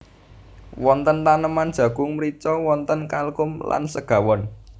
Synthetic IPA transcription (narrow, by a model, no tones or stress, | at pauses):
wɔnt̪ənt̪anəmand̥ʒ̥ä̤ɡ̥ʊŋmɾit͡ʃɔwɔnt̪ənkalkʊmla̰nsəɡ̥ä̤wɔn